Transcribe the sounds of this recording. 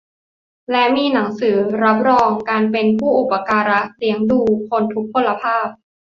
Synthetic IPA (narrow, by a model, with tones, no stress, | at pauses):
lɛ˦˥miː˧na˩˦ŋsɯː˩˦ɾa˦˥p̬̚ɾɔː˧ŋkaː˧npe˧npʰuː˥˩ʔu˨˩pa˧kaː˧ɾa˦˥li˩˦əŋduː˧˩kʰo˧nt̪ʰu˦˥k̚pʰːo˧la˧pʰaː˥˩p̚